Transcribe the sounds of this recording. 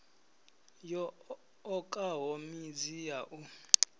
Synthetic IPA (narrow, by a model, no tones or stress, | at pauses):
jɔ | ɔkʼaɦomid͡zijaʔu